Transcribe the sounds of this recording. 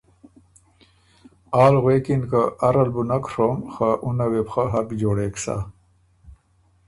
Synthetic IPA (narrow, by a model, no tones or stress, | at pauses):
aːlɣeːkinkaʔɐɾɐlbunɐkɾoːmxaʔunawepxaɦɐkd͡ʑoːɽeːksa̰